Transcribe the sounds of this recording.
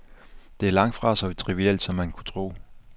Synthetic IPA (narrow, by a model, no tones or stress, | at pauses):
d̥e̝æɐlɑ̈ŋ̰d̥fʁɑ̈sɒit͡sʰʁiʋiel̰d̥sɒ̽mːænkʰu̥t͡sʰʁo̝̰ː